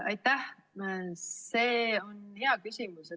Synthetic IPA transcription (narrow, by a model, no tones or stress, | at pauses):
ɑ̰jt̪ːˑæh | sseːo̞neɑkysʲimuse